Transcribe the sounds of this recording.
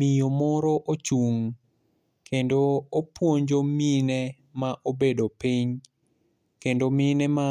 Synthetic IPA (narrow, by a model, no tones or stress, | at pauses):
mijomɔɾɔʔot͡ʃuŋ | kʰendoːpwoɲd͡ʒominɛ | maʔobedopiɲ | kendomɪnɛma